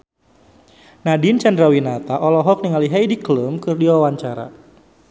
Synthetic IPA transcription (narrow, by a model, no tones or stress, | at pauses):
nadint͡ʃandɾawinat̪aʔɔlɔɦɔk̚niŋaliɦajdikləmkɨrdiwawaɲt͡ʃaɾa̰